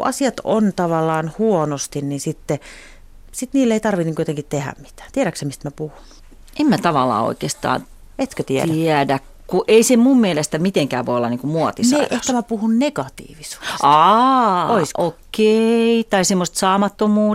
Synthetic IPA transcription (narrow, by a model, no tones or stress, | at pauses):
ʔɑ̰siɑt̪o̰nt̪ɑʋɑlːɑːnhuonost̪innisit̪ːe | sit̪niːlːeit̪ɑrʋiniːŋkujot̪eŋkitt̪ehæ̰mmi̥t̪æ̥ːt̪ieɾæksæmist̪mæpuhu̥n | emmæt̪ɑʋɑlːˑɑ̰ːo̰ikeːst̪ɑ̰ːn | et̪køt̪iæ̰æiædæk | kuʔeisemummielest̪æmit̪eŋkæ̰ːʋʋo̰iolːɑniːŋkumuɔt̪isɑeʔehkæmæpuhunneɡ̥ɑt̪ḭːʋisu̥ːsɑ | oisokːeit̪ɑisemːost̪sɑːmɑt̪ːomuː